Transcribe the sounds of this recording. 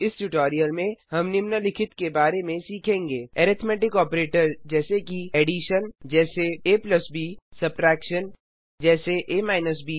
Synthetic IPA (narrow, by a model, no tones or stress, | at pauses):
ɪsʈuʈɔːɾijəlmẽɦɐmnɪmnəlɪkʰɪt̪kebaːɾemẽsiːkʰẽːŋɡeɛɾɪt̪ʰmɛːʈɪkɔːpɾeːʈəɾd͡ʒɛːsekieːɖiʃənd͡ʒɛːseeːplɐsbiːsɐp̚ʈɾɛːkʃən | d͡ʒɛːseʔeːmaːɪnəs̬biː